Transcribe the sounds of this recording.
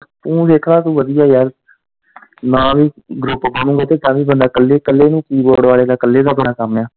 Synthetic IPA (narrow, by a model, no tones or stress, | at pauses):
t̪ũːd̪eːkʰɾaːt̪ũːʋəd̪ɪjaːjəɾ | nãːʋiː | ɡɾʊpbəñũːɡaːt̪eːt̪ãːʋiːbənd̪aːkəlːeːkəlːeːnũːkiːboːɽʋaːleːd̪aːkəlːeːd̪aːbəɽaːkamjaː